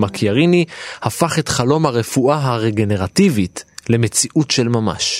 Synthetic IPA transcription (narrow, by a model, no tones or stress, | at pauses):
makʰjaʁinihafaχe̞tχalo̞mhaʁe̞fuʔaɦaʁeɡe̞ne̞ʁativitle̞me̞t͡siʔutʃelmama̰ʃ